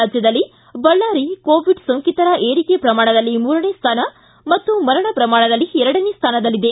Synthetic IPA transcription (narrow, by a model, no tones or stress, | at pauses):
ad͡ʒjɐd̪ɐlːi | bɐɭːaːɾikoːʋiɖsoŋkit̪ɐɾɐʔeːɾiːkejɐpɾɐmaːɳ̃ɐd̪ɐlːimuːɾɐneːst̪ʰaːnɐ | mɐt̪ːumɐɾɐɳɐpɾɐmaːɳɐd̪ɐlːiɛɾɐɽɐneːst̪ʰaːnɐd̪ɐlːid̪e